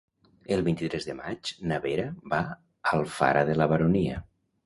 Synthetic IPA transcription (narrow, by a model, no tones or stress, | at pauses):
əlˠβint̪it̪ɾɛzðəmat͡ʃnəβeɾəβa | əlˠfa̰ɾəðələβəɾoniə̰